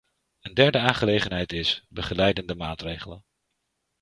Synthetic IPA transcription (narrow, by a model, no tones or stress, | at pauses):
əndɛɹdəaːnχəlejχənɦɛjtɪsbəχəlɛjdəndəmaːtrejχələ̰n